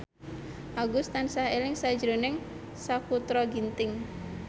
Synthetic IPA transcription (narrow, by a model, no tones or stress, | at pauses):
ʔaɡust̪ansahelɪŋsḁd͡ʒɾonɪŋ | sakut̪ɾɔɡint̪ɪŋ